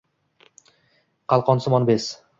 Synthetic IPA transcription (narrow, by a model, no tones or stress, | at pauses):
qɑlˠqɒnsʊmɒnbes